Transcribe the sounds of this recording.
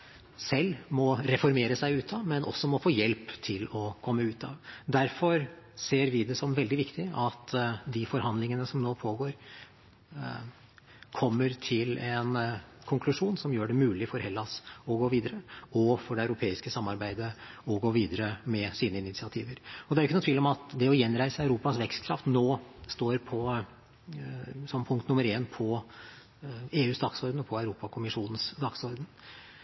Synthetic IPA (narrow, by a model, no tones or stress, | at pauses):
sɛlːmɔɾɛfɔɾmeːɾəsæɪʉːt̪ʰɑʋmɛnʔɔ̰sːɔmɔfoːjɛlpt̪ʰɪlɔkʰɔmːəʉːt̪ʰɑ̰ʋd̪æɾfɔɾseːɾʋɪd̪ɛsɔmʋɛld̪ɪʋɪkt̪ɪɑt̪d̪ɪfɔɾhɑnd̪lɪŋənəsɔmnoːpʰoːɡoːɾ | kʰɔmːəɾt̪ʰɪlɛnkʰʊŋkʰlʉʂuːnsɔmjøːɖɛmʉːlɪfɔɾhɛlːɑsɔɡoːʋiːd̪əɾəɔfɔɖɛɑʉɾʊpʰeːɪskəsɑmːɑɾbæɪd̪əɔɡoːʋiːd̪əɾəmɛsiːnəɪnɪt̪sɪɑt̪ʰiːʋəɾɔd̪ɛæɾɪçːnʊt̪ʋiːlɪɔmɑt̪d̪ɛɔjɛnːɾæɪsəɑʉɾuːpɑsʋɛkst̪kʰɾɑft̪noːst̪oːɾpʰɔ | sɔmpʰʊŋkt̪nʊmːəɾeːnpʰɔ | eːʉːsd̪ɑɡsɔɾd̪n̩ɔpʰɔɑʉɾuːpɑkʰʊmɪʂuːnən̩sd̪ɑɡsɔɾd̪ən̩